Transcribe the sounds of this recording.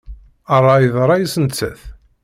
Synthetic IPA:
ərˤːɑiðɾˤɑjəsənt͡sːəθ

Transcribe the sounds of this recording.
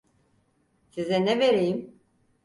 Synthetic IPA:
sizɛnɛveɾejim

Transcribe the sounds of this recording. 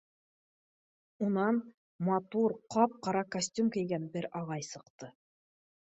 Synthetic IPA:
unɑn | mɑt̪uɾqɑp̚qɑɾɑkɐsʲtʲumkɘ̆jɡænbɘɾɑʁɑjsɤ̆qt̪ɤ

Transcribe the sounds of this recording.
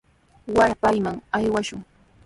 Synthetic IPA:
waɾpajmaŋajwaʃʊŋ

